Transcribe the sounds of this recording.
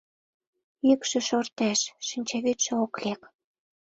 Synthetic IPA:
ykʃĕʃort̪æʃʃinʲt͡ɕeβyt̪ʃĕoklek

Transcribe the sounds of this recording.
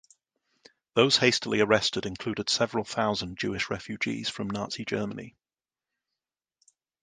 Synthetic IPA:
ðəʊz̥heɪstəliəɹɛstɪdɪ̃nkʰl̥ʉːdɪd̥sɛvəɹəlˠθaʊzə̃nd͡ʒʉ̰ːɪʃɹɛ̰fjʉd͡ʒḭːz̥fɹə̃mnɑˑtsid͡ʒɜːmənḭ

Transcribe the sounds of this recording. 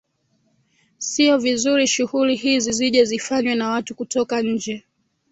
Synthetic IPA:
siɔvizuɾiʃuhulihiziziʄɛzifaɲwɛnawatukutɔkaɲ̩d͡ʒɛ

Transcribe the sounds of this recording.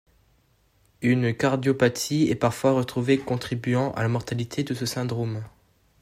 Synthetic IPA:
ynkaʁd̪jopat̪ʰiɛpaʁfwaʁət̪χuvekɔ̃t̪χibɥɑ̃ʔa̰lamɔʁt̪alit̪ʰed̪əsəsɛ̃d̪ʁom

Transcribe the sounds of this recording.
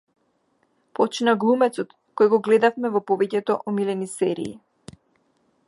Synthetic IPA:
pɔt͡ʃnaɡlˠumɛt̪sɔt̪ | kɔjɛɡɔɡlɛd̪afmɛvɔpɔvɛcɛt̪ɔʔɔmilɛnisɛɾḭː

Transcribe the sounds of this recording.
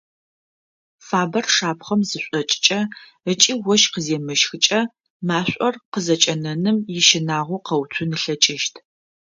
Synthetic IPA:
faːbɐrʂaːpχɐmzɨɕʷʼɔt͡ʃʼɪ̥t͡ʃʼɐ | ət͡ʃʼiːwɔʃqəzeːmɨʃxɨt͡ʃʼɐ | maːɕʷʼɔrqəzɐt͡ʃʼɐnɐnɨmjɪʃɪnaːʁʷʊqɐwt͡sʷʰʊnɨɬɐt͡ʃʼɪʃtʰ

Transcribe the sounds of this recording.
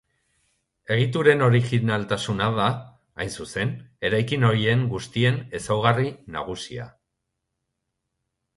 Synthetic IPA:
e̞ɣ̞it̪uɾe̞no̞ɾixinalt̪asunaðaː | jnsuse̞ne̞ɾajkino̞ɾie̞ŋɡust̪ie̞ne̞sawɣarina̰ɣ̞usia̰

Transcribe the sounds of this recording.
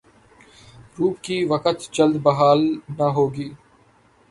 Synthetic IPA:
ɾuːkiːʋəkət̪d͡ʒəld̪bəɦaːlnaɦoːɡiː

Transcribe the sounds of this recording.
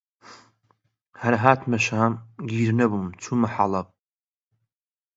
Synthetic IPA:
haɾaɦaːtʰmaʃaamɡʲiɾnɐbumt͡sʰumaħalapʼ

